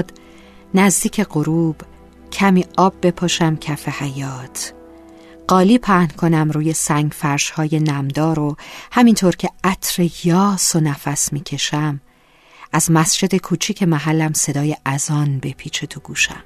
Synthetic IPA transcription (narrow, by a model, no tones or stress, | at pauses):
d̪ | næzd̪iːcʰe̞ɢoɾuːb̥ | cʰæmiːɒːb̚be̞pʰoʃæmcʰæfe̞hæjɒːt̪ʰ | ɢ̥ɒːliːpʰæhnkʰo̞næmɾuːje̞sæŋɟfæɾʃhɒːje̞næmd̪ɒːɾohæmint̪ʰoːɾcʰeæt̪ʰɾejɒːsonæfæsmiːcʰe̞ʃæm | ʔæzmæsd͡ʒe̞d̪e̞kʰuːt͡ʃʰiːcʰe̞mæɦælːæmse̞d̪ɒːjeʔæzɒːnbe̞pʰiːt͡ʃʰe̞t̪ʰoɡ̥uːʃæ̰m